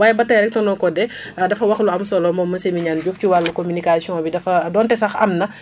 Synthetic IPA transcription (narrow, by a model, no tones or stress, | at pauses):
waːjɛbɐtɐɾɛk̚tɔnɔkɔdɛ | dɐfɐwɐxluɐmsɔlɔmɔmːɐnsemiɲaːnɟuːfciwalːukominikasiɔ̃bidɐfɐdɔːntɛsɐxɐmnɐ